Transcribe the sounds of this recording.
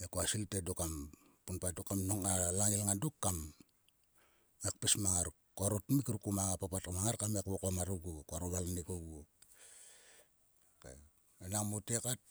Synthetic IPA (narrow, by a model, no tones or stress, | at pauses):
ekoasiltedokampunpadokamnoŋalaŋilŋandokːam | ekpesmaŋaɾ | koaɾotmikɾukumaŋapapatkamaŋaɾkamekβokamaɾuɡukoaɾoβalnikoɡuo | kḛ | enaŋmotekat̚